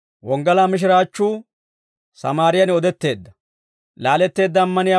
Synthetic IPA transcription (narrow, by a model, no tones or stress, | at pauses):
wɔŋɡɐlaːmɪʃ̬ɪɾaːt͡ʃːuː | sɐ̰maːɾɪjɐnɔd̪ɛt̪ːe̞ːd̪ːɐ | laːlɛt̪ːe̞ːd̪ːɐːmːɐnɪja